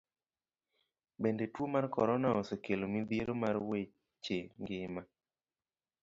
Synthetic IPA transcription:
bendetwomarkɔɾɔnaɔsekelomid̪ieɾomarwe | t͡ʃeŋɡɪma

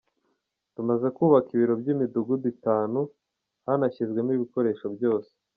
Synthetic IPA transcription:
tumaze̞kuːβakiβiɾo̞bɟimiduɡuditaːnu | hanaçizɡwe̞miβiko̞ɾe̞ːʃo̞bjo̞ːse̥

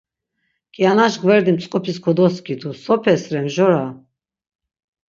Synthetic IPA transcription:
kʼianaʃɡvɛɾd̪imt͡sʼqʼɔpʰiskʰɔd̪ɔskʰʼid̪usɔpʰɛsɾɛmʒɔɾa

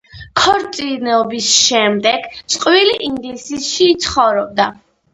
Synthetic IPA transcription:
kʰɔɾt̪sʼinɛɔbisʃɛmd̪ɛɡ̥tsʼqʼwiliʔind̪sisʃiːt̪sʰχɔvɾɔb̚d̪a

